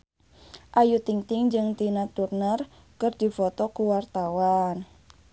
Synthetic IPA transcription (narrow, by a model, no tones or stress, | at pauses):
ʔajut̪iŋt̪ɪŋd͡ʒɨŋt̪inat̪urnər | kɨrdi̤fɔt̪ɔkuwart̪awan